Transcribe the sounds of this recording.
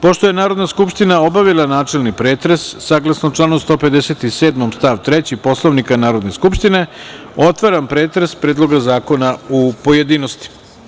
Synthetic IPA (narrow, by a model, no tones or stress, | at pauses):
po̞ʃt̪o̞je̞naːɾo̞d̪naskupʃt̪inao̞baʋilˠanaːt͡ʃelˠnipɾeːt̪ɾe̞sːaɡlasnot͡ʃlˠaːnost̪o̞ːpe̞d̪eset̪iseːd̪mo̞mst̪aʋt̪ɾet͡ɕipo̞slˠoʋnikanaːɾo̞d̪ne̞skupʃt̪ine̞ | o̞t̪ʋaɾampɾeːt̪ɾespɾe̞ːd̪lˠo̞ɡazaːko̞naupo̞jed̪iːnost̪i̥